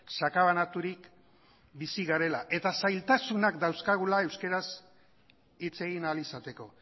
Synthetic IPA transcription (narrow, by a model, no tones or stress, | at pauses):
sakaβanat̪uɾik | bisiɣaɾe̞laʔe̞t̪asajlt̪asunakd̪awskaɣ̞ulae̞wske̞ɾas | it͡se̞ɣinalisat̪e̞ko̞